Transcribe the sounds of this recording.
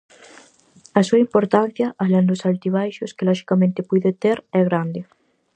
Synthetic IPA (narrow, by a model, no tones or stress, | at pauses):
asuɐimpoɾt̪an̟θjɐʔalend̪osalt̪iβ̞ajʃoskelɔʃi̥kamẽnt̪epuðet̪eɾɛɣ̞ɾand̪e